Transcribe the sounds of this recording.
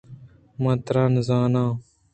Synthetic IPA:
mãːt̪ɾãːnzaːnãː

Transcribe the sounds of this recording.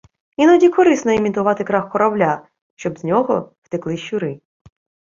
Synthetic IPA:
inɔdʲikɔɾɪsnɔemʲit̪ʊʋɑt̪ɪkɾɑxːɔɾɔblʲa | ʃt͡ʃɔbznʲɔɦɔw̥t̪ɪklˠɪʃʊɾɪ

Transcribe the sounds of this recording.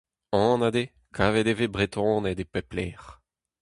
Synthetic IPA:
ɔ̃ːnad̪e | kʰaved̪evebʁet̪ʰɔ̃ned̪epɛplɛːʁ

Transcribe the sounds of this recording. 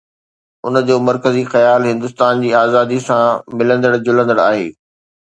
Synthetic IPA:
ʊ̰nd͡ʑoːmɐɾkəzixɐjaːlɦɪ̃nd̪ʊst̪aːnd͡ʑiːaːzaːd̪isãmɪlə̃nd̪əɽd͡ʑʊlə̃nd̪əɽa̰ːɦeː

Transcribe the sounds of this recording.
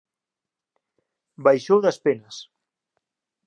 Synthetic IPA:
bajʃowðɐspenɐs

